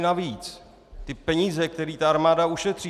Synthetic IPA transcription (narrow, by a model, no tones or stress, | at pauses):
naviːt͡s | t̪ɪpɛɲiːzɛk̚t̪ɛɾiːt̪aaɾmaːdauʃɛt̪r̥i